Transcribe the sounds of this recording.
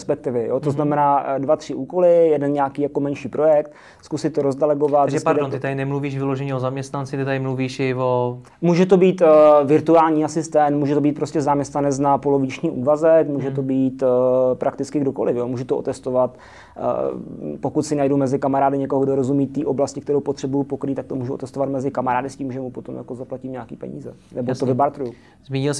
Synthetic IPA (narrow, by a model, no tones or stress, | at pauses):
spɛk̚t̪ɪvɪjot̪oznamɛnaːdvat̪r̥ɪʔuːko̞lɪjɛdɛnɲaːkiːjako̞mɛnʃiːpɾojɛk̚t̪ | skusɪt̪̚ːoɾozdɛlɛɡo̞vat̪zɛpadont̪ɪt̪adɪnɛmluviːʃvɪloʒɛɲɛozamɲɛst̪nant͡sɪt̪ɪt̪adɪmluviːʃjɪvo | muːʒɛt̪̬o̞biːt̪vɪɾt̪uaːlɲiːasɪst̪ɛnt̪muːʒɛt̪obiːt̪̚pɾoscɛzamɲɛst̪nanɛt͡snapo̞lo̞vɪt͡ʃɲiːʔuːvazɛkmuːʒɛt̪o̞biːt̪pɾʔakt̪ɪt͡skɪɡdoko̞lɪfjomuːʒɛt̪oo̰t̪ɛst̪ovat̪ | po̞kut̪sɪnajdowmɛzɪkamaɾaːdɪɲɛkoɦoɡdoɾozumiːt̪ːiːʔo̞blascɪkt̪ɛɾowpo̞t̪r̥ɛbujupokɾiːt̪ak̚t̪o̞muːʒuʔot̪ɛst̪ovat̪mɛzɪkamaɾaːdɪsciːmʒɛmupot̪o̞mja̰ko̞zaplaciːmɲakḭːpɛ̰ɲḭːzɛnɛbot̪ovɪbaɾt̪ɾuju | zmiːɲɪls